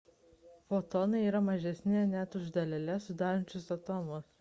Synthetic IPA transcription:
fot̪ɔnɐɪiːɾɐmɐʒʲɛsʲnʲɪnʲɛt̪ʊʒd̪ɐlʲɛlʲɛsʊd̪ɑːɾɐnʲt͡ʃʲʊsɐt̪ɔːmʊs

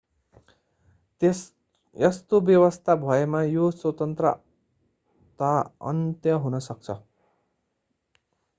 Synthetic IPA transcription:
jʌst̪objʌwʌst̪ʰabʱʌemajoswʌt̪ʌnt̪rʌ̰ | t̪aʌ̰nt̪jʌɦunʌsʌk̚t͡sʰʌ

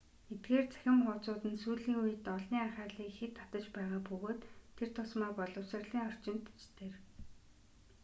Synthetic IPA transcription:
et̪̚ɡeːrt͡sʰæ̥xʲɪ̆mχʊwt͡sʊːt̪ɘ̆nsuːɮiːŋuj̆t̪ɔɮniːæχæːrɮiːkxet̪ʰːat̪ə̆t͡ɕpæːʁaːpɵɣoːt̪ʰːer̥t̪ʰʊsmaːrpɔɮɞ̆wsə̆rɮiːŋɔr̥t͡ɕɪ̆nt̪t͡ɕt̪ʰeːr

